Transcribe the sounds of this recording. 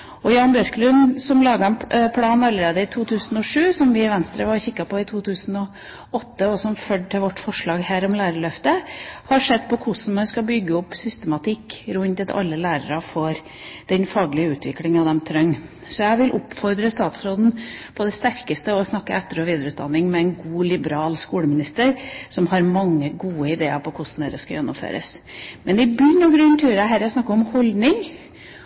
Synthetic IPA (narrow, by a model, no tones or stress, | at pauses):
ɔjɑːnbjœɾklʉnsɔmlɑːɡɑɛnpʰlɑːnɑlːəɾeːd̪əɪt̪ʰuːt̪ʰʉːsn̩ɔʂʉːsɔmʋɪʋɛnst̪ɾəʋɑɾçɪkːɑpɔɪt̪ʰuːt̪ʰʉːsn̩ɔ | ɔt̪ːəɔsɔmfœɖʈʰɪlʋɔʈːfɔʂɭɑːɡhæːɾɔmlæːɾəɭœft̪əhɑʂɛd̪ːpʰɔkʰʊsn̩mɑnskɑbʏɡːəɔpsʏst̪əmɑt̪ʰɪkːɾʉnt̪ət̪ɑ̰lːəlæːɾəɾɑfɔɾ | d̪̥ɛnfɑːɡlɪəʉːt̪ʰʋɪklɪŋɑʋd̪ɛmt̪ʰɾœŋ | sɔjæɪʋɪlʔʊpfɔɾd̪ɾəst̪ɑːt̪sɾoːd̪n̩pʰɔd̪ɛst̪æɾkəst̪əɔsnɑkːəɛt̪ːəɾɔʋiːd̪əɾəʉːt̪̚d̪ɑnːɪŋmɛɛɪnɡuːlɪbəɾɑːlskuːləmɪnɪst̪əɾsɔmhɑɾmɑŋːəɡuːəɪd̪eːə̰pʰɔkʰʊsn̩d̪ɛ̰ɾəskɑjɛnːʊ̰mfø̰ːɾə̰smɛnd̪ɪbynɔɡɾʉnt̪ʰʉːɾæɦæɾəsnɑkːəɔmhɔld̪nɪŋ